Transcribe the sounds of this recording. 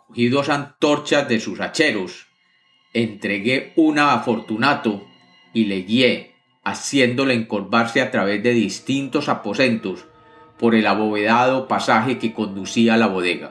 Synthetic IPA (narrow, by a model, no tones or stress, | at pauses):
kohiðosant̪o̞ɾt͡ʃazd̪e̞susat͡ʃe̞ɾo̞s | ent̪ɾe̞ɣe̞unaːfo̞ɾt̪unat̪o̞ | ile̞ɣje̞ | asje̞nd̪o̞le̞ːŋko̞ɾβaɾse̞at̪ɾaβe̞zd̪e̞ðist̪int̪o̞sapo̞se̞nt̪o̞s | po̞ɾe̞laβo̞βe̞ðaðo̞pasaxe̞ke̞ko̞nd̪usiaːlaβo̞ðe̞ɣa̰